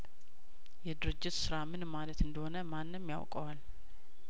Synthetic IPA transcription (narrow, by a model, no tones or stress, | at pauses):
jɛd̪ɨɾɨd͡ʒːɪt̪sɨɾamɨnmalət̪ɨnd̪əho̞nəmanːɨmja̰wkʼəwal